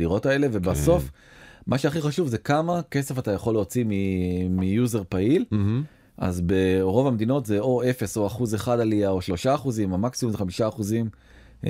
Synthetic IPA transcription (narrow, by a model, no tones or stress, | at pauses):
iʁo̞tae̞leve̞baso̞f | maʃeaχiχaʃuvzekamake̞se̞fatajaχo̞lːeot͡simimijuze̞ʁpail | ʔa̰zbe̞ʁo̞vamed̪ino̞tze̞o̞e̞feso̞aχuzeχad̪aliaoʃlo̞ʃaːχuzimamaksimumzeχamiʃaːχuzim